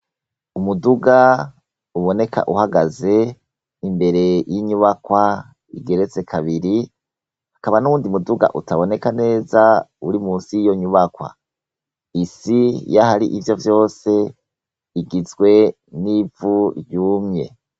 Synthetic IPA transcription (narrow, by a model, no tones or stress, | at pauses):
umuduɡa | uβo̞ne̞kʰa̰ʔuhaɡaze̞ | imbe̞ɾe̞jiɲuβakwa | ḭɡe̞ɾet͡se̞kʰaβiɾi | hakaβanuuːndiumuduɡa̰ʔutaβone̞kane̞ːzauɾimuːnsijo̞ɲuβakwa̰ | isijahaɾiʔivjo̞vjo̞ːse̞ | iɡizɡwe̞ | nivujuːmɲe̞̰